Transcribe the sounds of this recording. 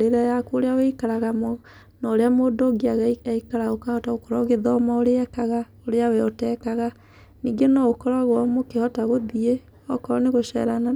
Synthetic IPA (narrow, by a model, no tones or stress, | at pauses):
ɾeɾajakuoɾeawɛikaɾaɣamɔ | nɔɾeamoːdoɡiaɣaiaikaɾaɣokahɔtaokɔɾɔɣeðɔmaoɾeɛkaɣa | oɾeawɛɔtɛːkaɣa | niːɡenɔokɔɾaɣwɔmokehɔtaɣoðie | ɔkɔɾɔneɣoʃɛ̰ɾana